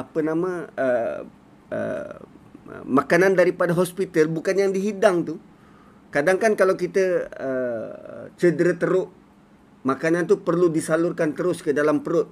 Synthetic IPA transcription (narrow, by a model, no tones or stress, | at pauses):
apənamãə | ə̰ | makanandaɾipadaɦɔspit̪əlbukanjaŋdiɦidaŋt̪u | kadaŋkankalawkit̪əə̰ | t͡ʃədəɾət̪əɾʊʔ | makanant̪upərludisalʊrkant̪əɾʊskədalampəɾʊt̪̚